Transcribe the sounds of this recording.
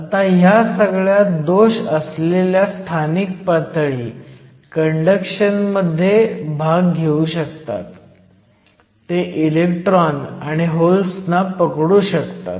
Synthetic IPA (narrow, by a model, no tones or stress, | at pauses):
at̪aɦjasəɡɭjad̪oɕəsleljast̪ʰanik̚pat̪ɭiː | kəɳɖəkɕənməd̪ʱːjebʱaɡːʱeuɕək̚t̪a̰t̪ | eʔilekʈɾɔnaɽ̃iɦolsnapəkɽuːɕəkt̪a̰t̪